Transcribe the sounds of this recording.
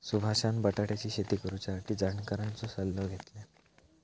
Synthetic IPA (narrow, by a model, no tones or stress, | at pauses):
subʱaɕãnbəʈaʈjat͡ɕiːɕet̪iːkəɾut͡ɕjasaʈʰiːd͡zaɳkaɾant͡sɔsəlːoɡʱet̪le